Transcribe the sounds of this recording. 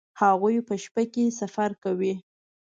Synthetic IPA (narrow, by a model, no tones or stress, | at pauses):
haɣujpəʃpakesafaɾkawi